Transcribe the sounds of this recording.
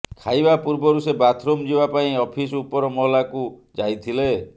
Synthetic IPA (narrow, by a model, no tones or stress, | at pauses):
kʰajbapuɾbɔɾusebat̪ʰɾomd͡ʒibapaĩɔpʰisupɔɾɔmɔɦlakud͡ʒajt̪ʰile